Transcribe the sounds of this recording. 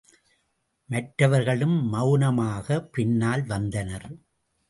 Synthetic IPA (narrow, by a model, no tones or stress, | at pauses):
mɐʈɾɐʋɐɾɣɐɭɯmːɐʊnɐmaːɣɐpɪnːaːlʋɐnd̪ɐnɐɾ